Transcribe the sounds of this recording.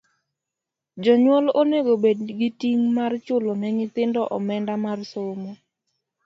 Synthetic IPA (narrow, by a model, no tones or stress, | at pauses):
d͡ʒɔɲwɔloneɡobedɡitiŋmart͡ʃʊlɔnɛɲɪt̪ɪndɔʔɔmɛndamarsomɔ